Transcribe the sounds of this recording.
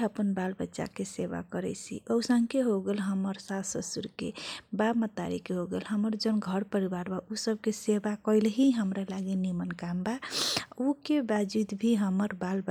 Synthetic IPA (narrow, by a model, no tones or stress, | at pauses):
əpənbalbətːʃa̰keseba̰kəɾɛ̰sḭʔəwsəŋkʰeɦoɡelɦəməɾsasəsuɾkḛbabmət̪ːa̰ɾḭkeɦoɡḛlɦəməɾd͡ʒənɡʱəɾpəɾibaɾbaʔusəb̚kesebakəɪlɦiɦəmɾalaɡinimənkambaukebad͡ʒud̪bʱiɦəməɾbalbə